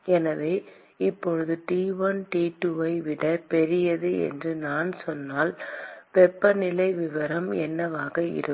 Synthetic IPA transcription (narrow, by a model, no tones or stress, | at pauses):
ɛnɐʋeː | ɪpːɔɻɯðɯʈiːʋɐnʈiːʈːuɐɪʋɪɽɐpɛɾɪjɐðɯɛ̰ndrɯnaːnsɔnːaːlpɛpːɐnɪlɐɪʋɪʋɐɾɐmɛnːɐʋaːɣɐɪ̰ɾɯ